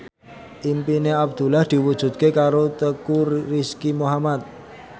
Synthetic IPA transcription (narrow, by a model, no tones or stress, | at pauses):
ʔimpineab̚d̪̥ṳlahd̪̥i̤wud̥ʒ̥ṳt̪̚kekaɾot̪əkuriskimoɦamat̪̚